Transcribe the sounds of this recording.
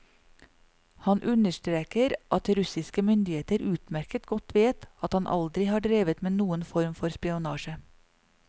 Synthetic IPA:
hɑnʔʉnəʃtɾeːkəɾʔɑt̪ɾʉsɪskəmʏnd̪ɪheːt̪əɾʉːt̪mæɾkət̪ɡɔt̪ʰʋeːt̪ɑt̪hɑnʔɑ̰ld̪ɾɪhɑːɖɾeːʋət̪meːnuːənfɔɾmfɔɾspɪʊnɑːʃə

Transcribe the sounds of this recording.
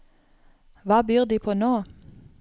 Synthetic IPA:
ʋɑːbyːʁd̪iːpʰoːnoː

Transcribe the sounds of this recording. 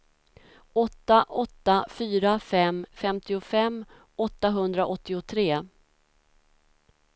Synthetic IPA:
ɔt̪ːaʔɔt̪ːafyːɾafɛmfɛmt̪ɪʊfɛmː | ɔt̪ːaɦɵnd̪ɾaʔɔt̪ːɪʊt̪ʰɾeː

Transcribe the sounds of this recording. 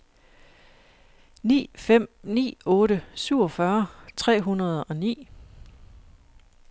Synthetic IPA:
nḭːfem̰nḭːɔ̽ːɾəsyʊ̰ɒ̽fɶɐt͡sʰʁɛ̰ːɦunɐð̞ˠɒ̽nḭː

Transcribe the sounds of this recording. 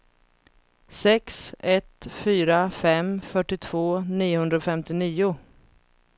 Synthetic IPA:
sɛksɛt̪fyːɾafɛmfœʈːɪt̪ʰv̥oːniːʊhɵnd̪ɾaɔfɛmt̪ɪniːʊ

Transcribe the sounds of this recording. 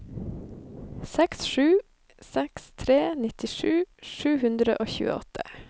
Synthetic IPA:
sɛksʃʉː | sɛkst̪ʰɾeːnɪt̪ɪʃʉːʃʉːhʉnd̪ɾə̰ʔoːçʉ̰ːə̰ɔt̪ʰə̥

